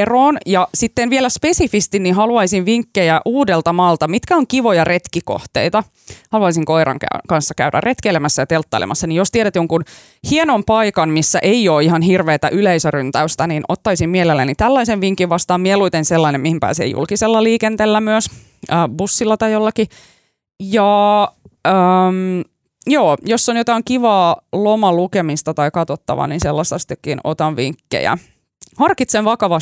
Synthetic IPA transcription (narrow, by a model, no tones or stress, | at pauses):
eroːnjɑsit̪ːenʋielæspe̞sifist̪inːihɑluɑisiʋʋiŋkːejæʔuːdelt̪ɑmɑlt̪ɑmit̪kæoŋkiʋojɑre̞t̪kiko̰ht̪ḛit̪ɑ | hɑluɑisiŋkoiɾɑ̰ŋkæ̰kɑnsːɑkæ̰ydæ̰rrʔet̪kelemæsːæjɑt̪elt̪ːɑilḛmʔɑsːɑnijjost̪ieɾæt̪joŋkun | hienompɑikɑnmisːæʔeioːihɑnhirʋeːt̪æ̰ʔyleisørynt̪æyst̪æninot̪ːɑisimmielelːænit̪ælːɑiseʋʋiŋkːiʋʋɑst̪ɑːmieluit̪enselːɑinemihimpæ̰ːsḛjṵlkiselːɑliːkent̪elːæmyøs | əːbusːilːɑt̪ɑjjolːɑki | jɑ | əm | joːjosːonjot̪ɑiŋkiʋɑːlomɑlukemist̪ɑt̪ɑikɑt̪ot̪ːɑ̰ʋɑ̰ninselːɑst̪ɑst̪ekːino̰t̪ɑnʋiŋkːḛjæ̰ | hɑrkit̪seʋʋɑkɑʋɑ